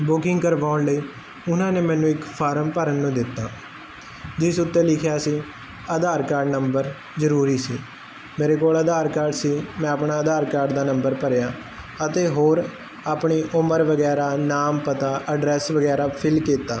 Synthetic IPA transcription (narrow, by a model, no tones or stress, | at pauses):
bʊkɪŋɡkəɾʋaːʊɳləiː | ʊnãːneːmɛ̃ːnũːɪkpʰaːɾəmpəɾənːũːd̪ɪt̪ːaː | d͡ʒɪsʊt̪ːẽːlɪkʰjaːsiː | əd̪aːɾkaːɾɖnəmbəɾ | zəɾuːɾiːsiː | meːɾeːkoːləd̪aːɾkaːɾɖsiːmɛ̃ːəpɳaːəd̪aːɾkaːɾɖd̪aːnəmbəɾpəɾjaː | ət̪eːɦoːɾ | aːpɳiːʔʊməɾʋəɡɛːɾaːnaːmpət̪aːʔəɖɾɛːsʋəɡɛːɾaːpʰɪlkiːt̪ːaː